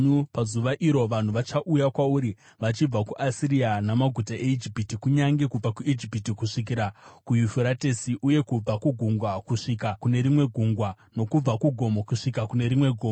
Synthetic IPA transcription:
upazuʋaʔiɾo̞ʋan̤uʋat͡ʃaʔujakwauɾi | ʋat͡ʃib͡vakuʔasirianamaɡʱutaʔeid͡ʒipitikuɲaŋɡe̞kub͡vakuʔid͡ʒipitikuʂik̬iɾakujufuɾatesiʔuje̞kub͡vakuɡʱuŋɡwakuʂikakune̞ɾimwe̞ɡʱuŋɡwa | no̞kub͡vakuɡʱo̞mokuʂikakune̞ɾimwe̞ɡʱoːmo

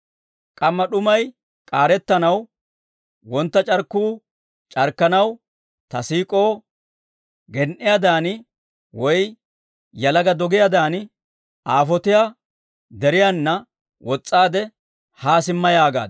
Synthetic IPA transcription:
kʼɐmːɐɗʊmɐj | kʼaːɾɛt̪ːɐnɐw | wɔnt̪ːɐt͡ʃʼɐɾkːuː | t͡ʃʼɐɾkːɐnɐw | t̪ɐsiːkʼo̞ː | ɡɛnʔɪjad̪aːn | wɔj | jɐlɐɡɐd̪ɔɡɪjad̪aːn | aːfɔt̪ɪja | d̪ɛɾɪjanːɐ | wɔt͡sʼːaːd̪ɛ | haːsɪmːɐjaːɡa̰ːd̪

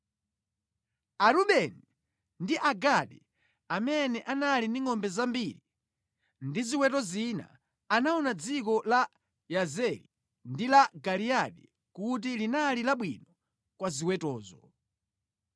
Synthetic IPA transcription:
aɾuɓɛni | ndiʔaɡaɗi | amɛnɛʔanaliniŋɔmbɛzambiɾi | ndiziwɛtɔzina̰ | anaɔnad͡zik̬ɔla | jazɛɾḭ | ndilaɡaliaɗi | kut̬ilinalilaɓwinɔ | kwaziwɛtɔːzɔ

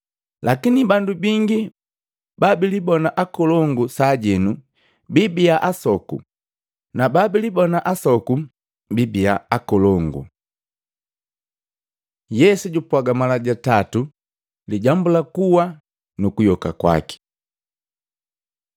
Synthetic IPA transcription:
lakinibandubiŋɡi | babilibɔnaʔakɔlɔŋɡusaɟɛnu | bibiaʔasɔkṵ | nababilibɔnaʔasɔku | bibia̰akɔlɔŋɡṵ | jɛsuɟupwaɡamalaɟatatu | liɟambulakuwa | nukujɔka̰kwa̰ki̥

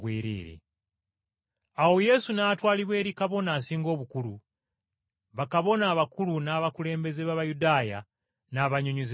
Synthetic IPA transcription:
wiːɾḭːɾḛ | aho̞je̞sunatwaːliβwe̞ːɾikaβo̞naːsiːŋɡo̞ːβukulu | βakaβo̞naːβakulunaβakule̞ːmbe̞zeβaβajudaːja̰ | naβaɲoɲuz

